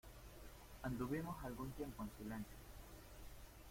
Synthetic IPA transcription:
ãnd̪uβimosalɡunt̪jempoẽnsilẽnsja

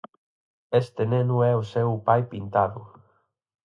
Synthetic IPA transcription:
est̪enẽnuɛusewpajpint̪aðu

